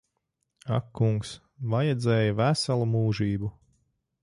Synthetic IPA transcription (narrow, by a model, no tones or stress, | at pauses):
a̰kʰːuŋks | vajɛd̪zɛːjavæsalˠumuːʒiːbu